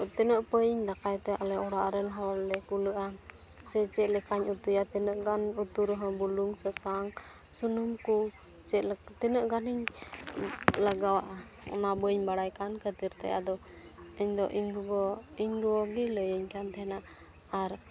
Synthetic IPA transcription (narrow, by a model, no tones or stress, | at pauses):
t̪ɛnəʔpəjiɲd̪akajt̪ɛʔalɛɔɽaʔɾɛnɦɔɾlɛkuləʔa | sɛt͡ʃɛʔlɛkaɲut̪ujat̪ɛnəʔɡanut̪uɾɔɦɔ̃buluŋsəsaŋ | sunumku | t͡ʃɛʔlt̪ɛnəʔɡaniɲ | laɡawaʔa | ɔ̰nabəɲbaɽajkankʰət̪iɾt̪a̰ja̰d̪ɔ | iɲd̪ɔʔiɲɡuɡɔiɲɡuwɔɡiləjəɲkant̪ʰɛnaː | ɾ